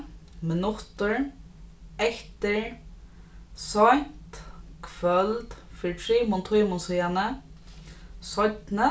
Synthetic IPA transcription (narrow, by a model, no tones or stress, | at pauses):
mɪnʊt̪ʊɹ | ɛht̪ɪɹ | sɔn̥t̪kʰvœlt̪fiɹtʰɹiːmʊnt̪ʰʊjmʊnsijanə | sɔt̪nə